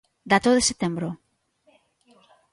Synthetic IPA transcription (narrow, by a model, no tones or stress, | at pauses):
d̪at̪oðeset̪embɾo